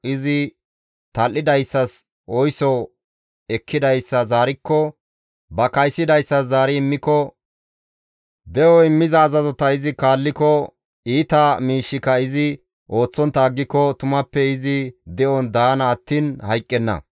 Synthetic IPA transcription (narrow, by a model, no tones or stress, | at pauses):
ɪzɪ | t̪ɐlʔːɪd̪ɐjsːɐs | ʔɔjsɔ | ɛkʰːɪd̪ɐjsːɐzaːɾɪkːɔ | bɐkɐjsːɪd̪ɐjsːɐszaːɾɪɪmːɪkːɔ | d̪ɛʔɔɪmːɪzɐːzɐzɔt̪ɐɪzɪkaːlːɪkɔ | iːt̪ɐmiːʃːɪkɐɪzɪ | ʔo̞ːt͡sːɔnt̪ːɐːɡːɪkːɔt̪ʊmɐpːɛɪzɪd̪ɛʔɔnd̪aːnɐːt̪ːiːnhɐjkʼːɛnːɐ̰